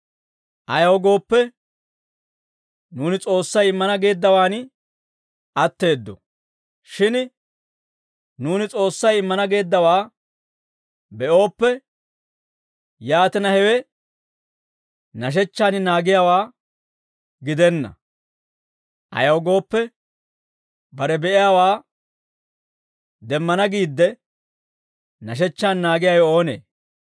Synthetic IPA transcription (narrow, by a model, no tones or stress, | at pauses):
ʔɐjɐwɔɡo̞ːpːɛ | nuːnɪt͡sʼo̞ːsːɐjɪmːɐnɐɡe̞ːd̪ːɐwaːn | ɐt̪ːe̞ːd̪ːɔ̰ | ʃɪn | nuːnɪt͡sʼo̞ːsːɐjɪmːɐnɐɡe̞ːd̪ːɐwaː | bɛʔo̞ːpːɛ | jaːt̪ɪnɐhɛwɛ | nɐʃ̬ɛt͡ʃːaːnɪnaːɡɪjaːwaː | ɡɪd̪ɛnːɐ̰ | ʔɐ̰jɐwɡo̞ːpːɛ | bɐɾɛbɛʔɪjaːwaː | d̪ɛmːɐnɐɡiːd̪ːɛ | nɐʃ̬ɛt͡ʃːaːnːaːɡɪjajo̞ːnḛː